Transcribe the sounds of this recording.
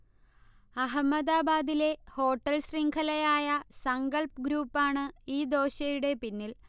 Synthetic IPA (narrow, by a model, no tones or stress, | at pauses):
ɐɦɐmːɐd̪aːbaːd̪ile̞ho̞ːʈːɐlɕriŋɡʰʱɐlɐjaːjɐsɐŋɡɐlpɡɾuːpːaːɳɨiːd̪o̞ːɕɐjuɽe̞pinːil